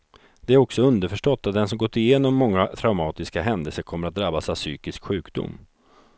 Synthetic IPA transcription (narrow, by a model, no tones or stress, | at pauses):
d̪̥ɛæɾɔksɔɵnd̪əɾfœʂʈɔt̪ʰːat̪̚d̪ɛnsɔmɡɔt̪ːɪjeːnɔmːɔŋːat̪ʰɾaʊmɑːt̪ɪskaɦɛnd̪ɛlsəɾkʰɔmːəɾat̪̚d̪ɾabːasavsy̰ːkɪskɧʉ̟ːkd̪ʊ̰mː